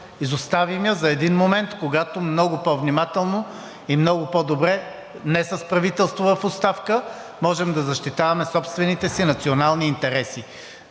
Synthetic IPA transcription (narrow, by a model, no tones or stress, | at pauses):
izʊst̪avimjəzɐɛd̪inmomɛnt̪koɡat̪omnɔɡʊpɔvnimat̪ɛlˠno | imnɔɡʊpɔd̪obɾɛ | nɛsəspɾɐvit̪ɛlˠst̪vovɐfʊt̪st̪afkə | mɔʒɛmd̪ɐzɐʃt̪it̪avɐmɛsɔpst̪vɛnit̪ɛsinɐt̪sionalˠniːnt̪ɛɾɛsi